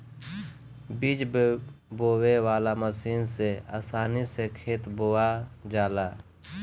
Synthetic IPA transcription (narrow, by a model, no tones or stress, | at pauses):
biːd͡ʒ | boːwewaːlaːməsiːnsea̰ːsaːnisekʰeːt̪boːwaːd͡ʒaːlaː